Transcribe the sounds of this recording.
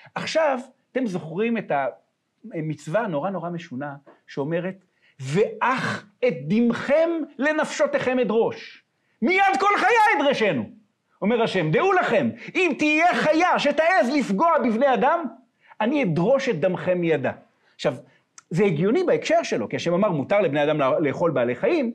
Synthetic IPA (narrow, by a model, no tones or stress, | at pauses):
ʔaχʃavat̪e̞mzo̞χʁimeta | mit͡svano̞ʁano̞ʁame̞ʃunaʃeo̞me̞ʁe̞t̪ | ve̞ʔaχ | et̪̚d̪imχemle̞nafʃo̞teχe̞medʁo̞ʃ | mijad̪̚ko̞lχajaed̪ʁeʃe̞nu | o̞meʁaʃe̞md̪eulaχe̞mimt̪ijeχajaʃet̪aezlifɡo̞abivne̞jad̪am | anied̪ʁo̞ʃet̪̚d̪amχe̞mːijad̪a | χʃav | zeiɡjo̞nibaekʃe̞ʁʃe̞lo̞kiaʃemamaʁmut̪aʁlebnead̪amle̞ːχo̞lbaːle̞χajim